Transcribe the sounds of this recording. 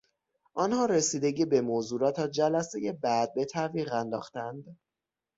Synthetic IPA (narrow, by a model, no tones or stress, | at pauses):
ʔɒnhɒːɾesiːd̪e̞ɟiːbe̞mozuːɾɒːt̪ʰæd͡ʒælæseje̞bæd̪̚be̞t̪ʰæviːʁænd̪ɒ̰ːχxt̪ænd̪